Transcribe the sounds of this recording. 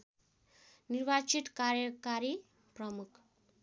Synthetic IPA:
niɾbat͡ʃit̪kaɾjʌkaɾi | prʌmukʰ

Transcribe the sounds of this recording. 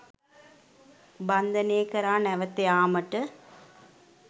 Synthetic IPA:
bɐnd̪ɐneːkɐɾaːnɛʋɐt̪ːeaːmɐʈːɨ

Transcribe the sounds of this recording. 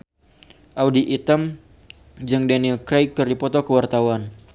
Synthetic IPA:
ʔawdiʔit̪əm | d͡ʒɨŋdanilkɾejkːɨrdipɔt̪ɔkəwart̪awan

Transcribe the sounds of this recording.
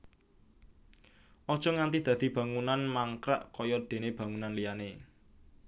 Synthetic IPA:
ʔɔd̥ʒ̥ɔ̤ŋant̪id̪̥ä̤d̪̥i̤b̥a̤ŋunanmaŋkɾa̰ʔkɔjɔd̪̥e̤neb̥a̤ŋunanlijane

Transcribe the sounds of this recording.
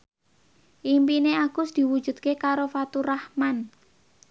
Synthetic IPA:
ʔimpineaɡ̥ʊsd̪̥i̤wu̥ʒ̥ṳd̪̚kekaɾofat̪urahman

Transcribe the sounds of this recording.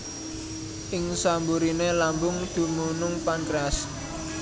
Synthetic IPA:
ʔɪŋsambuɾinelambʊŋd̪̥ṳmunʊŋpankɾas

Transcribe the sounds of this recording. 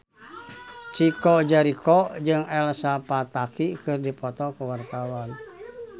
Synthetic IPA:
t͡ʃikɔd͡ʒaɾikɔd͡ʒɨŋɛlsapat̪akikɨrdipɔt̪ɔkuwart̪awan

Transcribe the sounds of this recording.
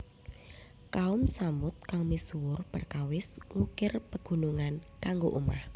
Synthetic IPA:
kaʊmsamʊt̪̚kaŋmisuwʊrpərkawɪsŋukɪrpəɡ̥ṳnuŋankaŋɡoʔuma̰h

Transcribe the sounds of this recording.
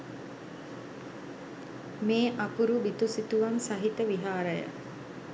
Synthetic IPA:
meːʔapuɾubit̪usit̪uʋamsaɦit̪əʋiɦaːɾəjə̰

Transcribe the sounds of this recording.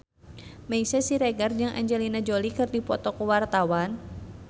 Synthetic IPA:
mɛisɛsiɾɛɡard͡ʒaŋʔa̰ɲd͡ʒɛlinad͡ʒolikɨrdipɔt̪ɔkəwart̪awan

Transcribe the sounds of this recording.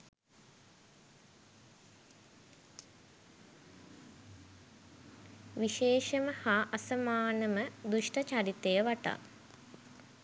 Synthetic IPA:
ʋiʃeːʃəməhaːʔɐsɐmaːnəməd̪uʂʈət͡ʃaɾit̪ejəʋaʈa̰

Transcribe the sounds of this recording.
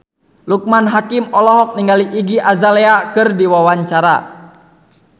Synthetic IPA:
luk̚manɦakimɔlɔɦɔk̚niŋɡaliʔiɡiʔazalɛakɨrdiwawaɲt͡ʃaɾa̰

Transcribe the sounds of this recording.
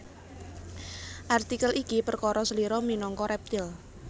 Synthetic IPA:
ʔart̪ikəlikipərkɔɾɔsəliɾɔminɔŋkɔɾɛp̚t̪ɪl

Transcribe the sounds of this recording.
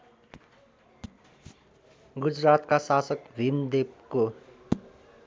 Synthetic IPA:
ɡud͡zrat̪kasasʌkbʱimd̪ep̚ko

